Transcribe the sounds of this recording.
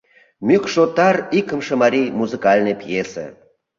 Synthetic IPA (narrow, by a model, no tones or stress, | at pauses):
mʲykʃot̪ːɑrikəmʃə̆maɾʲijmuzɨkɑlʲnəjpjesa̰